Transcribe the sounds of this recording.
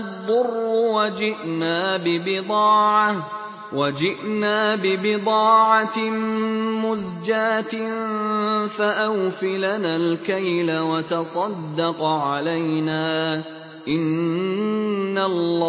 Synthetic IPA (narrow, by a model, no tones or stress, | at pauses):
ðˤːʊrːʊwad͡ʒɪʔnaːbɪbɪd̪ˤɑːʕa | wad͡ʒɪʔnaːbɪbɪd̪ˤɑːʕa | mʊzd͡ʒaːt̪ | faʔawfilanaːlkajlawɑt̪ɑsˤɑd̪ːɑqʕalajnaː | ʔɪn | alː